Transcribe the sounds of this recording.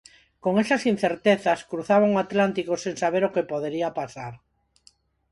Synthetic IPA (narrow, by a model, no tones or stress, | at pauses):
koŋesasin̟θeɾt̪eθaskɾuθaβ̞aŋoat̪lant̪ikosẽŋsaβ̞eɾokepoðeɾiapasaɾ